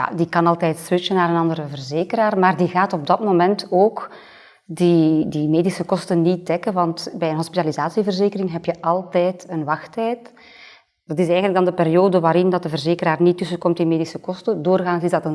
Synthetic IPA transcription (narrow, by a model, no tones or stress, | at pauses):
ja̰dikɑnɑlˠtɛːjtswɪt͡ʃənaːɾənɑndəɾəvərzeːkəɾaːrmaːrdiɣaːtɔb̚dɑtmomɛntoːk | didimeːdisəkɔstənit̚dɛkənʋɑntbɛjənɦɔspitalizaːsivərzeːkərɪŋɦɛpjəʔɑlˠtɛjtənʋɑxtɛjt | d̥ɑtɪsɛːɣənlək̚dɑndəpeɾijoːdəʋaːɾɪndɑt̚dəvərzeːkəɾaːrnitːɵsəkɔmtɪnmeːdisəkɔstədoːrɣaːnzɪzdɑtən